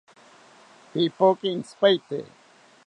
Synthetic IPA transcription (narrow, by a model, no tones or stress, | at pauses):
pipokinspajt̪ḛ